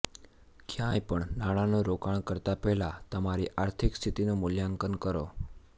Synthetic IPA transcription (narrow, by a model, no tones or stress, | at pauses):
kʰjajpəɳnaɽ̃anoɾokaɳ̃kəɾt̪apɛɦlat̪əmaɾiʔaɾt̪ʰikst̪ʰit̪inomʊljaŋkənkəɾo̰